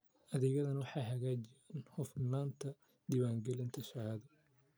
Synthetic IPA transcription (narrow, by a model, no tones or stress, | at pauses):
ʔɐðɛːɣɐðɐnwɑħɑjɦɐɣaːt͡ʃɪanhʊfnaːnt̪ʰɐ | d̪iːwaːŋɡɛlɪnt̪ʰɐʃɐʕaːðɐ